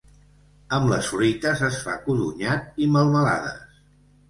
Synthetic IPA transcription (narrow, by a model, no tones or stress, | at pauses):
əmləsfɾuit̪əzəsfa̰kuðṵɲat̪̚iməlˠməla̰ðə̰s